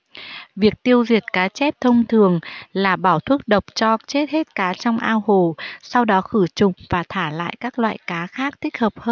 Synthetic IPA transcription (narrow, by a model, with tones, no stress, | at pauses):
vi˨˩ək̚t̪i˧əwzi˨˩ət̚kaː˨˦t͡ɕɛ˦˥p̚t̪ʰə˧wŋ͡mt̪ʰɨ˨˩əŋlaː˨˩ɓaː˧˩wt̪ʰwu˦˥ək̚ɗə˨˩wk͡p̚t͡ɕɔ˧t͡ɕe˦˥t̚he˦˥t̚kaː˨˦t͡ɕɔ˧wŋ͡mʔaː˧who˨˩sa˧wɗɔ˨˦xɨ˧˩t͡ɕʊ˨˩ŋ͡mvaː˨˩t̪ʰaː˧˩la̰ː˧˨jkaː˦˥k̚lwa̰ː˧˨jkaː˨˦xaː˦˥k̚t̪ʰï˦˥k̚həː˨˩p̚həː˧n